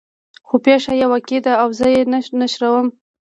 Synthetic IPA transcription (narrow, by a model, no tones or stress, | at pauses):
xopeʂajawaked̪aːwzəjennaʃɾawəm